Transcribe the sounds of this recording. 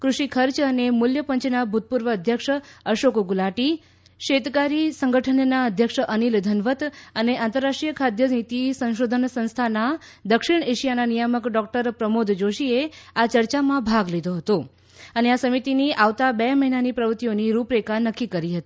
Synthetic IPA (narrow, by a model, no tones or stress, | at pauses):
kɾuʃikʰəɾt͡ʃənemʊljəpəɲt͡ʃnabʱut̪̚puɾʋəːd̪ʱjəkʂəʃokɡulaʈi | ʃet̪kaɾisə̃ŋɡəʈʰənːaəd̪ʱjəkʂʔənild̪ʱənʋət̪əneʔãnt̪əɾːaʂʈɾijəkʰad̪ʱjəd͡ʒnit̪isə̃ʃod̪ʱənsə̃nst̪ʰanad̪əkʃiɽ̃eʃijananijəməkɖɔk̚ʈəɾpɾəmod̪ʱd͡ʒoʃieat͡ʃəɾt͡ʃamãbʱaɡlid̪oɦət̪o | əneasəmit̪iniʔaʋt̪abeməɦinanipɾəʋət̪ioniɾupɾekanəkːikəɾiɦət̪i̥